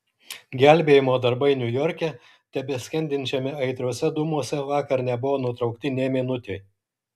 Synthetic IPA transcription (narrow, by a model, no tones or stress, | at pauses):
ɡʲæˑlʲbʲeːjɪmoːd̪ɐɾbɐɪnʲʊjɔɾʲkʲɛ | t̪ʲɛbʲesʲkʲɛnʲd̪ʲɪnʲt͡ʃʲɛmʲɛɐɪt̪ɾuɔsʲɛd̪ʊmuɔsʲɛʋɑːkɐɾnʲɛbʊʋoːnʊt̪ɾɒʊk̚t̪ʲɪnʲeːmʲeːnʊt̪ʲeɪ